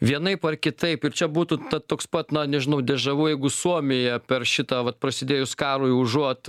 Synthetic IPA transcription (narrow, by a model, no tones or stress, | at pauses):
ʋʲiɛnɐɪpɐrkʲɪt̪ɐɪpɪrt͡ʃʲɛbuːt̪ʊt̪ɐttːoːkspɐt̪nɐnʲɛʒʲɪnɐʊd̪ʲɛʒɐʋuːjɛɪɡʊsuɔmʲɪjɛpʲɛrʃʲɪt̪ɑːʋɐt̪̚pɾɐsʲɪd̪ʲeːjʊskɑːɾʊʊʒuɔt̪